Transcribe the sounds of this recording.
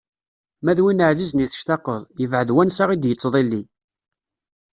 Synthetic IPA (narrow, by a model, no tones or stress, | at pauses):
mæðwinəʕzizniθə̥ʃt̪ɑqːəðˤjəvʕəðwænsaʁid̪jət͡sˤːðˤilːi